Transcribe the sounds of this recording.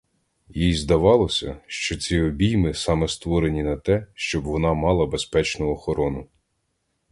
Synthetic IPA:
jijzd̪ɐʋɑlˠɔsʲɐʃt͡ʃɔt͡sʲiɔbʲijmɪsɑmɛst̪ʋɔɾenʲinɐt̪ɛʃt͡ʃɔbʋɔnɑmɑlˠɐbespɛt͡ʃnʊɔxɔɾɔnʊ

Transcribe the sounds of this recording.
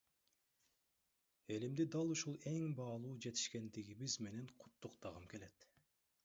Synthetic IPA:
e̞limd̪id̪ɑlˠuʃulˠe̞ŋbɑːlˠuːd͡ʒe̞t̪i̥ʃke̞nd̪iɡiβizme̞ne̞ɴqʰʊ̥t̪ːuqt̪ɑʁɯmke̞le̞t̪

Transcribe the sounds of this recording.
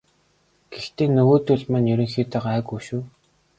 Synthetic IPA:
ɡ̥ext̪eːnːɵɣoːt̪ɵɮmanjɵɾɵ̆ŋxiːt̪ăqæːɣujʃuː

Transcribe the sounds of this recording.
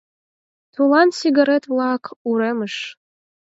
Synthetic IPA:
t̪ʰulˠɑnsiɡaɾet̪vlˠɑkʰuɾeməʃ

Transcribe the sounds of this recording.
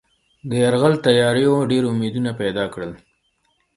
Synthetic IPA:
d̪əjaɾɣalt̪ajɑɾejoɖeɾʊmed̪unapɛd̪ɑkɽəl

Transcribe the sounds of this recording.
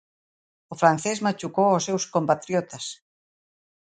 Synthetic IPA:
ʊfɾan̟θezmat͡ʃukowɔsewskompat̪ɾjɔt̪ɐs

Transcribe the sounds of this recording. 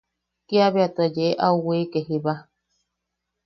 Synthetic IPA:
kiaβeat̪ɨajeʔeʔauwiːkeɦiβa

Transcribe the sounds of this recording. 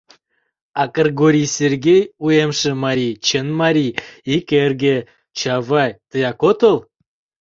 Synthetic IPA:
ɑkərɡoɾʲisʲerɡʲejujemʃə̆mɑɾʲit͡ɕənmɑɾʲiikʲerɡʲe | t͡ɕɑvɑjt̪əjɑkot̪əlˠ

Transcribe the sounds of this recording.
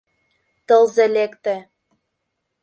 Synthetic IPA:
t̪ɤ̆lzĕlekt̪ĕ

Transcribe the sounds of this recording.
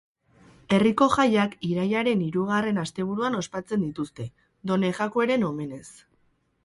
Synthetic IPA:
e̞riko̞ʝajakiɾajaɾe̞niɾuɣ̞are̞nast̪e̞β̞uɾuano̞spat͡se̞nd̪it̪ust̪e̞ | d̪o̞ne̞ɣakueɾe̞no̞me̞ne̞s

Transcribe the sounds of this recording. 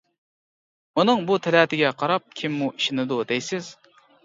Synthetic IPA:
munɨŋbut̪ʰɪlɛːt̪ʰɪɡʲɛqʰɑɾɑp̚kʲʰimːuʔiʃɪnɪd̪ud̪ejsɪz̥

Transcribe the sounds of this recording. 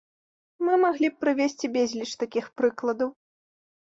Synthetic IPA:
mɨmaɣlʲip̚pɾɨvʲesʲt͡sʲibʲezʲlʲit͡ʂt̪akʲixpɾɨklˠɐd̪ɐw

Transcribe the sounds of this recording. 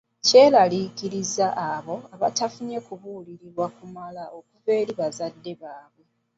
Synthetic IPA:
ce̞ːlalikiɾizaʔːβo̞aβa̰tafuɲe̞kuβuliɾiɾwakumalao̞kuve̞ːɾiβazadːe̞βaːβwe̞

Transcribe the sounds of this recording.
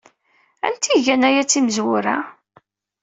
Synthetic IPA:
æ̰nt̪iʝænæjæt͡sːiməzwʊɾæ

